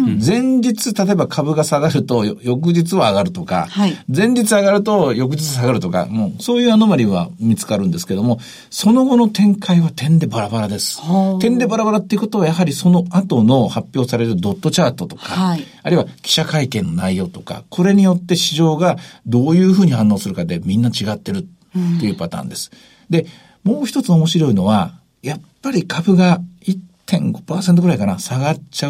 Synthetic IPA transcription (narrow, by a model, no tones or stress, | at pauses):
d͡zẽ̞ɲ̟d͡ʑit͡sɨt̪at̪o̞ebakʰabɯ̟ɡasaɡaɾɯ̟t̪o̞jo̞k̬ɯ̟d͡ʑit͡sɨβaːɡaɾɯ̟t̪o̞ka̰had͡zẽ̞ɲ̟d͡ʑit͡sɨaɡaɾɯ̟t̪o̞jo̞k̬ɯ̟d͡ʑit͡sɨs̬aɡaɾɯ̟t̪o̞ka̰moso̞ːjɯ̟ːanomaɾʲiβa̰mʲit͡sɨ̥kaɾɯ̟nd̪e̞sɨ̥ke̞d̪o̞mo̞ | so̞no̞ɡo̞no̞t̪ẽ̞ŋkʰaiβat̪ẽ̞nd̪e̞baɾabaɾad̪e̞sɨ̥t̪ẽ̞nd̪e̞baɾabaɾat̪ːe̞iɯ̟ko̞t̪o̞β̞ajaɦaɾʲiso̞no̞at̪o̞no̞hapʲjo̞ːsaɾe̞ɾɯ̟d̪o̞t̪ːo̞t͡ɕaːt̪o̞t̪oka | aɾiβakʲi̥ɕakaikẽ̞nːo̞naijo̞ːt̪o̞ka̰kʰo̞ɾe̞ɲ̟ijo̞t̪ːe̞ɕiʑo̞ːɡad̪o̞ːjɯ̟ːɸɯ̟ːɲ̟ihãnːo̞ːsɨɾɯ̟kad̪e̞mʲĩnːat͡ɕiɡat̪ːe̞ɾɯ̟ː | e̞jɯpat̪ã̰ːnd̪e̞sɨ̥ | d̪e̞ | mo̞ːçʲi̥t̪o̞t͡sɨo̞mo̞ɕiɾo̞ino̞βa | japːaɾʲikʰabɯ̟ɡait̪ʰːẽ̞ŋɡo̞̥paːse̞nt̪oɡɯɾaikanasaɡat͡ɕa